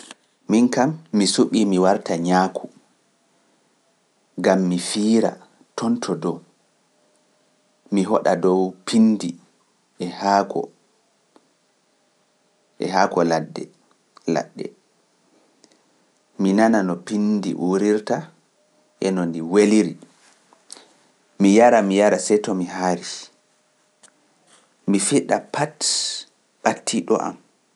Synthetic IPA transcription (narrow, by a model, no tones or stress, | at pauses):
minkamːisuɓimiwaɾtaɲaːkʰu | ɡamːifiːɾa̰ | tʰɔntʰɔdɔ | miɦɔɗadɔwpʰindi | ɛhakɔ̰ | ʔɛ̰haːkɔladːɛ̰ | la̰ɗːɛ̰ | minananɔpindḭʔuɾiɾta | ʔɛnɔndiweliɾi | mijaɾamijaɾasɛjtɔmihaɾi | mifiɗapat | ɓatːiɗɔ̰ʔa̰m